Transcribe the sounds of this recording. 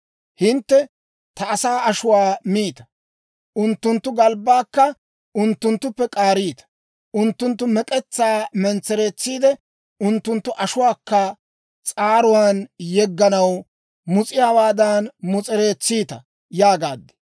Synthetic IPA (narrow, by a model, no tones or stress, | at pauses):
hɪnt̪ːɛ | t̪ɐːsaːɐʃʊwaːmiːt̪ɐ̥ | ʔʊnt̪ːʊnt̪ːʊɡɐlbːaːkːɐ | ʊnt̪ːʊnt̪ːʊpːɛkʼaːɾiːt̪ɐ̥ | ʔʊnt̪ːʊnt̪ːʊmɛkʼɛt͡sːaːmɛnt͡sːɛɾe̞ːt͡sːiːd̪ɛ | ʔʊnt̪ːʊnt̪ːʊʔɐʃʊwaːkːɐ | t͡sʼaːɾʊwaːnjɛɡːɐnɐw | mʊt͡sʼɪjaːwaːd̪ɐnmʊt͡sʼɛɾe̞ːt͡sːiːt̪ɐ | jaːɡaːd̪ːɪ̥